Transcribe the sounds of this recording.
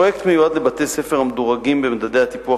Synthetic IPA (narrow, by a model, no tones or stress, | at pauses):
ojekt̪mejuad̪lebat̪ejsefeʁamd̪oʁaɡimbemd̪ade̞jhat̪ipua